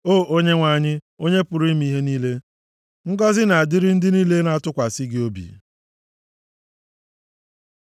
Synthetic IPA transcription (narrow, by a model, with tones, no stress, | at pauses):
oː˦˨ʔo˦ɲe˦ŋʷa˨ɲɪ˦ | o˦ɲe˦pʊ˨ɾi˦mi˦ɦe˦niː˦le˦ | ŋ̩˦ɡɔ˦zɪ˦na˨a˨dɪ˦ɾɪ˦n̩˦dɪ˦niː˦le˦na˨˦˨tʊ˦kʷa˨si˦ɡɪ˦o˦bḭ˨